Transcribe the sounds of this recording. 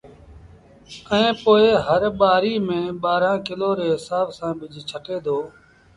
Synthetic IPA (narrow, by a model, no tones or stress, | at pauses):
əẽːpoːeɦəɾɓaːɾiːmẽːɓaːɾãːkɪloːɾeːɦɪsaːbsãːbɪd͡ʒʱt͡ʃʰəʈeːd̪ʱoː